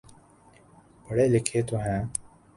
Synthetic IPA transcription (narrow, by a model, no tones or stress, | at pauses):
bəɽelɪkʰeːt̪uɦɛ̃ː